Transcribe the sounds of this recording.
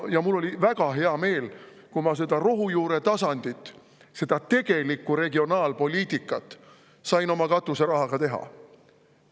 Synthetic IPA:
jɑmulːo̞lʲivæɡ̥ɑɦe̞ɑme̞ːl | kumɑs̬e̞d̪̥ɑɾoɦujuːɾe̞t̪ɑsɑnd̪̥it̪ˑː | se̞d̪̥ɑt̪e̞ɡ̥e̞likːˑuɾe̞ɡio̞nɑːlpo̞lʲiːt̪ˑikːˑɑt̪ːˑ | sɑjno̞mɑkɑt̪ːˑuseɾɑɦɑɡ̥ɑt̪e̞ɦɑ̰

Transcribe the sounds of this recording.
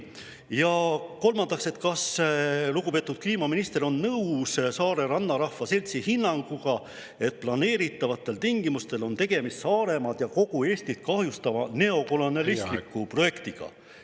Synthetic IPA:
jɑko̞lmɑnd̪ɑkse̞t̪kɑsluɡupe̞ːt̪ːˑud̪̥̚kliːmɑminist̪e̞ɾo̞nːɤwssɑːɾe̞ɾɑnːɑɾɑhvɑse̞lʲt̪sihinːɑŋɡ̥uɡ̥ɑ | e̞t̪̚plɑne̞ːɾit̪ːˑɑvɑt̪ˑːe̞lt̪iŋɡ̥imust̪e̞lo̞nt̪e̞ɡ̥e̞mist̪sɑːɾe̞mɑd̪̥jɑko̞ɡ̥ue̞ːst̪it̪̚kɑhjust̪ɑvɑne̞o̞ko̞lo̞nɑlisst̪likːˑupro̞je̞kt̪iɡ̥ɑ̰

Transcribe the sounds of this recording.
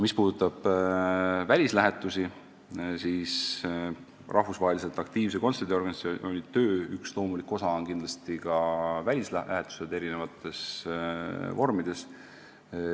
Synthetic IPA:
mispuːd̪ut̪ːˑɑb̥ | vælʲislæɦe̞t̪ːˑusi | siːs | rʔɑhvusvɑɦelʲise̞lt̪ːˑɑkt̪iːvs̬eko̞nse̞rd̪̥ʲio̞rɡ̥ɑniso̞nʲit̪ø̞ːykslo̞ːmulikːˑo̞sɑonkind̪lɑst̪ikɑvælʲislælʔæ̰ɦet̪ːˑu̥sed̪̥e̞ɾine̞vɑt̪ːˑe̞s | vo̞rmid̪̥e̞s

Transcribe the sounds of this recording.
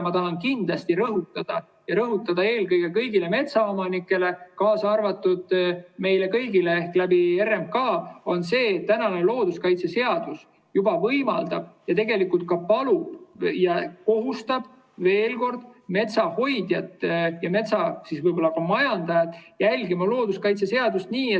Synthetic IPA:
mɑt̪ɑɦɑnkind̪̥lɑst̪iɾɤɦut̪ːˑɑd̪̥ɑ | jɑɾɤɦut̪ːˑɑd̪̥ɑe̞ːlkɤjɡ̥ekɤjɡ̥ile̞me̞t̪sɑomɑnikːˑe̞le̞kɑːsɑɑrvɑt̪ːˑud̪̥me̞jle̞kɤjɡileehklæbierːem̚kɑːo̞nse̞ːt̪ːænɑnelo̞ːd̪̥uskɑjt̪se̞se̞ɑd̪̥us | jub̥ɑvɤjmɑld̪̥ɑb̥jɑt̪eɡe̞likult̪̚kɑpɑlub̥jɑko̞ɦust̪ɑb̥ | ve̞ːlko̞rd̪̥me̞t̪sɑho̞jd̪̥jɑt̪ːjɑme̞t̪sɑsisvɤjbo̞lːɑkɑmɑjɑnd̪̥ɑjɑt̪jælʲɡimɑlo̞ːd̪̥uskɑjt̪sese̞ɑd̪̥ust̪niːe

